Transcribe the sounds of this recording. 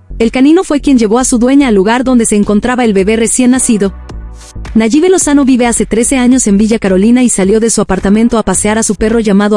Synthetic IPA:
e̞lkanĩno̞fwe̞kje̞nʝe̞β̞o̞asuðwe̞ɲaːluɣaɾðo̞nd̪e̞se̞ːŋko̞nt̪ɾaβaelβe̞βe̞re̞sje̞nːasiðo̞ | naʝiβe̞lo̞sano̞βiβe̞ase̞t̪ɾe̞se̞aɲo̞se̞mbiʝakaɾo̞linaisaljo̞ðe̞suapaɾt̪amẽnt̪o̞apaseaɾasupe̞ro̞ʝamaðo

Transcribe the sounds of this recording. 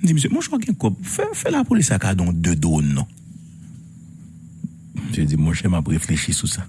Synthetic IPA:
m̩d͡zimøs̬jømɔ̃ʃɛɔɡɛ̃kɔp̚fɛfɛlapolisakad̪ɔ̃d̪ød̪onɔ̃ | m̩ʒed͡zimɔ̃ʃɛmapɣefleʃisusa

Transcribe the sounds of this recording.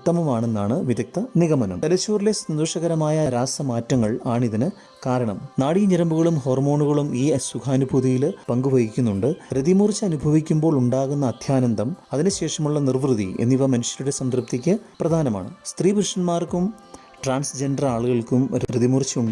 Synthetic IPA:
ut̪ːɐmɐmaːɳe̞nːaːɳɨʋiðɐk̚t̪ɐniɣɐmɐnɐmɐlɐt͡ɕːoːrilesɐnd̪uʂɐɣɐɾɐmaːjɐɾaːsɐmaːtːɐŋːɐɭaːɳiðinɨ | kaːɾɐɳɐ̰mnaːɽiɲɐɾɐmbuɣɐɭumɦo̞ːrmo̞ːɳuɣɐɭumiːsukʰaːnubʱuðijilpɐŋɡubʱɐɣikʲːunːuɳɖɨɾid̪imurt͡ɕːɨɐnubʱɐʋikʲːumbo̞ːɭuɳɖaːɣunːɐːd̪ʱjaːnɐnd̪ɐmɐðinɨɕe̞ːʂɐmuɭːɐnirʋrɨðḭḛnːiʋɐmɐnuɕjɐɾuɽe̞sɐnd̪rɐp̚t̪ikʲːɨprɐd̪ʱaːnɐma̰ːɳɨ̰st̪riːbrɨʂɐnmaːrkum | ʈraːɳsd͡ʑe̞ɳɖɐraːɭuɣɐɭkumɾid̪imurt͡ɕːuɳɖɨ

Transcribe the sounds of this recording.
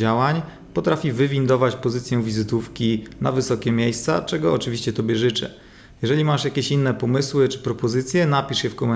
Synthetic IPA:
d͡ʑawaɲ | pɔt̪ɾafʲivɘvʲind̪ɔvat͡ɕpɔzɘt̪sjɛ̃vʲizɘt̪ufkʲina̰vɘsɔkʲɛmʲjejst̪sa̰t͡ʂɛɡɔɔt͡ʂɘvʲiɕt͡ɕɛt̪ɔbʲjɛʐɘt͡ʂɛ̰ | jɛʐɛlʲimaʂjakʲeɕinːɛpɔmɘswɘt͡ʂɘ̥pɾɔpɔzɘt̪sʲjɛnapʲiʂjɛfkɔmɛ

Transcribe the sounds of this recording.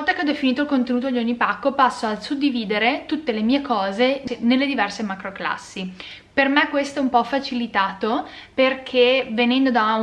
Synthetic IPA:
lt̪ːakeɔd̪ːefiniːt̪oilkont̪enuːt̪od̪ionipakːopasːoasud̪ːiviːd̪eɾet̪ut̪ːelemiːekɔːzenelːed̪ivɛrsemakɾokla̰sːi | permɛkːwest̪oɛumpɔfat͡ʃilit̪aːt̪operkʰevenɛnd̪od̪a

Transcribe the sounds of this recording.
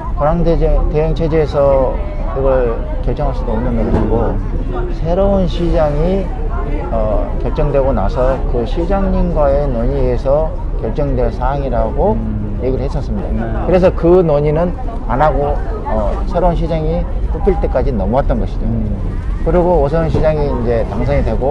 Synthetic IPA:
koɾaŋdeteɦeŋt͡ɕʰed͡ʑeːsʰʌ | kɯɡʌɭ | kjʌɭt͡ɕ͈ʌŋɦaɭs͈udoːmnɯnɡʌɕɕʰiɡosʰe̞ɾounɕʰid͡ʑaŋi | ʌkjʌɭt͡ɕ͈ʌŋdwe̞ɡona̰sʰʌkɯɕʰid͡ʑaŋɲinɡwae̞noɲiesʰʌ | kjʌɭt͡ɕ͈ʌŋdweɭsʰaɦaŋiɾaɡo | jeɡiɾɯɭhes͈ʌs͈ɯmɲida̰kɯɾe̞s̬ʰʌkɯnoɲinɯn | anaɡo | ʌsʰe̞ɾounɕʰid͡ʑaŋi | pupʰiɭt͈e̞k͈ad͡ʑinʌmuat̚t͈ʌnɡʌɕʰid͡ʑo | kɯɾiɡoosʰʌunɕʰid͡ʑaŋiːnd͡ʑe̞taŋs̬ʰʌŋidwe̞ɡo

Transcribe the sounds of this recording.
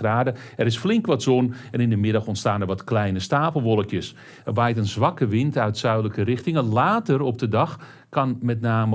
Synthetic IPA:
raːdə | ɛɾɪsflɪŋkʋɔtzɔnɛnɪndəmɪdɑxɔntstaːnɛɹʋɔtklɛjnəstaːpəlˠʋɔlˠəkjəs | ɛrbɛjtənzʋɑkəʋɪntœɥtsœɥdələkərɪxtɪŋəlaːtərɔp̚dədɑx | kɑnmɛtnaːmə

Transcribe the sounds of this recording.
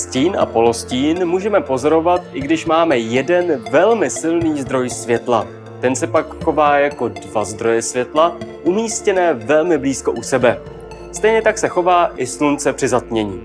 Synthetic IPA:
sciːnʔa̰po̞lo̞sciːnmuːʒɛmɛpo̞zo̞ɾo̞vat̪ʔɪɡdɪʃmaːmɛjɛdɛnvɛlmɪsɪlniːzd̪ɾo̞jsvjɛt̪la̰ | t̪ɛnsɛpakxo̞vaːjako̞dvazd̪ɾo̞jɛsvjɛt̪laʔumiːscɛnɛːvɛlmɪbliːsko̞ʔusɛbɛ | st̪ɛjɲɛt̪aksɛxo̞vaːʔɪslunt͡sɛpr̝̥ɪzat̪̚mɲɛɲiː

